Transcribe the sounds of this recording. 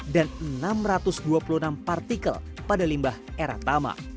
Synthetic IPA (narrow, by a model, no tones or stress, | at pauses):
danənamrat̪ʊsduapuluənampart̪ikə̰lpadalimbaheɾa̰t̪ama̰